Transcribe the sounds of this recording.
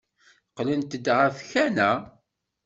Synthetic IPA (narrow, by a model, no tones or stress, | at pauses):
qːlənt̪əd̪ʁæfçænæ